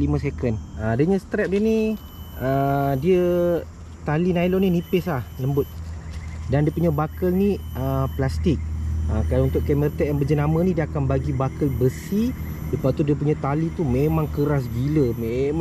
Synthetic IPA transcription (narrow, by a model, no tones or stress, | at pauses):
limə̃sekənəadəɲast̪ɾɛp̚diəni | ədiə | t̪alinajlɔninipɪslahləmbʊt̪̚ | dandiəpuɲabakəlniʔəplast̪ɪk̚əkadaunt̪ʊʔkɛmərt̪ɛʔ̚ambəd͡ʒənamənidiəakanbaɡibakəlbəsi | dəpat̪udiəpuɲat̪alit̪umemãŋkəɾas̬ɡiləmem